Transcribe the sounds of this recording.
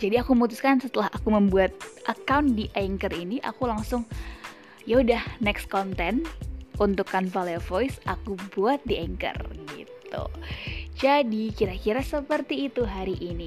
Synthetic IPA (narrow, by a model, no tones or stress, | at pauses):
d͡ʒadiakuməmut̪uskansət̪əlaɦakuməmbuat̪̚ʔəkawndiʔɛŋkəriniʔa̰kulaŋsʊŋ | jaudahnɛkskɔnt̪ɛnunt̪ʊkːanfaleovojsʔakubuat̪̚diɛŋkə̰rɡḭt̪ṵd͡ʒadikiɾakiɾasəpərt̪iːt̪uɦaɾiʔini